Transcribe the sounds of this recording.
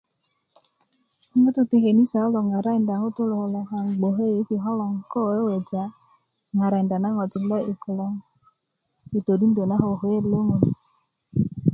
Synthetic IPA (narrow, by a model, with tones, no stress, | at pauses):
o˦tu˦ti˦ɦe˨ni˦sa˨ɔ˦lɔ˨ŋa˨ɾa˦i˨nda˨ŋo˦tu˦lo˨ho˨la˦ɦa˨ŋ˨ɡ͡bo˨ɦe˦je˨˦ki˨ɦɔ˦lɔ˨ŋ˨kɔ˦˨e˦wɛ˨d͡ʒa˨˦ | ŋa˨ɾa˨i˨nda˨na˦ŋɔ˨ti˨˦lɔ˦i˨ku˨la˦ŋ | i˨to˨di˦n̩˦do˨na˦ɦo˨ɦe˦lo˦ŋo˨ni˨